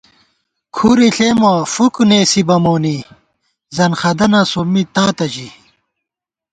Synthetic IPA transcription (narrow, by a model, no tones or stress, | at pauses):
kʰuɾiɬeːmɐfukuneːsibɐmoːni | zɐnxɐd̪ɐnɐsomːit̪aːt̪ɐd͡ʑi